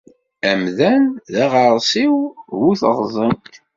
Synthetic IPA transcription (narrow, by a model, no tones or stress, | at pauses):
æmðænðæʁəɾˤsiwwuθəʁzˤənt